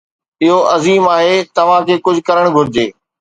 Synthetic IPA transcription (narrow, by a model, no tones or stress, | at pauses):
ɪɦoʔɐziːmaːɦeːt̪ɐʋ̤ãkʰeːkʊd͡ʑʱʊkɐɾəɽ̃ɡʱʊɾɪd͡ʑeː